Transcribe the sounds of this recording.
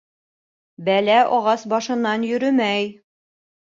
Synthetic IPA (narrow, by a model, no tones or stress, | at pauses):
bælæʔɒʁɑsbɒʃɤ̆nːɑnjɵ̆ɾɵmæj